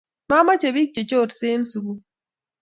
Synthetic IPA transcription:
ma˦ma˦t͡ʃe˨βi˦k̚t͡ʃe˨t͡ʃo˦˨ɾseː˦nsu˨ɡu˦

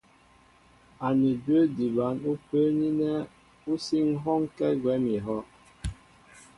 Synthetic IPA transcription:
a˨ni˨də˦di˨ba˨˦nu˦pə˦ni˦nɛ˦ | u˦si˦ŋɦɔ˦ŋkɛ˦ɡwɛ˨˦mi˨ɦɔ˦

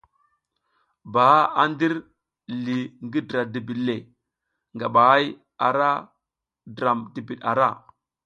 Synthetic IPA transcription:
ba˨a˦a˦ndi˦ɾ | li˨ŋɡi˦dɾa˨di˨bi˨le˨ | ŋɡa˨ɓa˨a˦j | a˨ɾa˦ | dɾa˨mdi˨bi˨ɗa̰˨ɾa˦˨

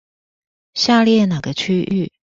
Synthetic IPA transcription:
ɕja˥˧ljɛ˥˩na˨˩ɡə˦t͡ɕʰy˥ʔy˥˩

